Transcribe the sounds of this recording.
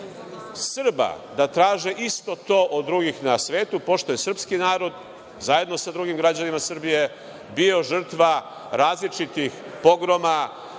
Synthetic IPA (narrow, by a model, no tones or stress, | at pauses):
sɨr̩ba̰ | d̪at̪ɾaːʒiʔist̪o̞t̪o̞ːʔod̪ːɾuɡixnasʋe̞ːt̪upo̞ʃt̪o̞jesrpskinaːɾo̞d̪ | zaje̞d̪no̞sad̪ɾuɡimɡɾad͡ʑanimasr̩bije̞ | bio̞ʒr̩t̪ʋa | ɾaːzlit͡ʃit̪ixpo̞ɡɾo̞ma